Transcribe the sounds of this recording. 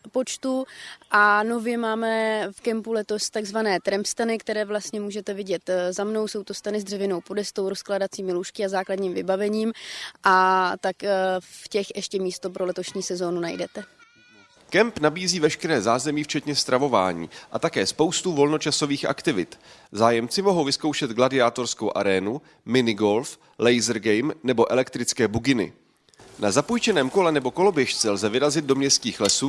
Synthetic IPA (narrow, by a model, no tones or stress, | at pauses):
po̞t͡ʃt̪uʔano̞vjɛmaːmɛfkɛmpulɛt̪o̞st̪aɡzvanɛːt̪ɾɛmst̪anɪkt̪ɛɾɛːvlast̪ɲɛmuːʒɛt̪ɛvɪɟɛt̪zamno̞wso̞wt̪o̞st̪anɪzd̪r̥ɛvɪno̞wpo̞dɛst̪owɾosklaːdat͡siːmɪluʃkɪazaːkladɲiːmvɪbavɛɲiːmʔat̪akfcɛxʔɛʃcɛmiːst̪o̞p̬ɾo̞lɛt̪o̞ʃɲiːsɛzo̞ːnunajdɛt̪ɛ | kɛmpnabiːziːvɛʃkɛɾɛːzaːzɛmiːft͡ʃɛt̪ɲɛst̪ɾʔavo̞va̰ːɲḭːʔat̪akɛːspo̞wst̪uvo̞lno̞t͡ʃaso̞viːxʔa̰kt̪ɪvɪt̪zaːjɛmt͡sɪmo̞ɦowvɪskowʃɛd̪ɡladɪaːt̪o̞ɾsko̞wʔa̰ɾɛːnu | mɪnɪɡo̞lf | lɛjzɾɡɛjmnɛbo̞ʔɛlɛkt̪ɾɪt͡skɛːbuɡɪnɪ̰ | nazapujt͡ʃɛnɛːmko̞lɛnɛbo̞ko̞lo̞bjɛʃt͡sɛlzɛvɪɾazɪd̪̚do̞mɲɛst̪kiːxlɛsuː